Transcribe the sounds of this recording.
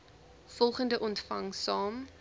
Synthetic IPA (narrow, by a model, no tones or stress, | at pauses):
fɔlˠχəndəʔɔntfɐŋsɑːm